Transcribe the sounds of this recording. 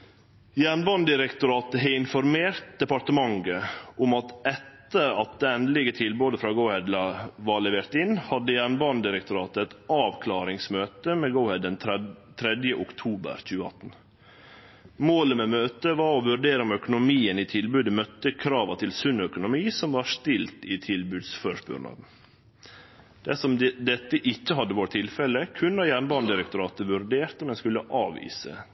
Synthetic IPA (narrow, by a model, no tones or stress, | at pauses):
jæːɳbɑnd̪ɪɾɛkt̪ʊɾɑːt̪̚əɦeɪnfɔɾmeːɾt̪̚d̪ɛpɑɾʈ̪əmɑŋɡəʔʊmɑt̪ɛt̪ːəɾɑt̪̚d̪eːɛnd̪lɪɡət̪ʰɪlbʉːd̪əfɾɑːɡəʊhɛd̪lɑʋɑːɭɛʋeːɾt̪ɪnːhɑd̪ːəjæːɳbɑːnd̪ɪɾɛk̚t̪ʊɾɑːt̪əɛt̪ɑːʋkʰlɑːɾɪŋsmøːt̪əmeːɡəʊhɛd̪ənt̪ʰɾɛd̪jəʔʊkt̪ʰuːbə̰ɾc͡çʉːəɑ̰t̪n | moːləmeːmøːt̪əʋɑɾɔʋʉɾɖeːɾəɔmœkʊnʊmiːənit̪ʰɪlbʉːd̪əmœt̪ːəkʰɾɑːʋɑt̪ʰɪlsʉnœkʊnʊmiːsɔmʋɑʂt̪ɪlt̪it̪ʰɪlbʉːd̪sføʂbʉ̰ːɾɳɑ̰ːd̪n̩ | d̪̥ɛsɔmd̪ɛt̪ːəʔɪçːəhɑd̪ːəʋoːɾ̚t̪ʰɪlfɛləkʰʉnːɑjæːɳbɑnd̪ɪɾək̚t̪ʊɾɑːt̪əʋʉɾɖeːɾt̪əmɛnskʉləʔɑːʋḭːsə̰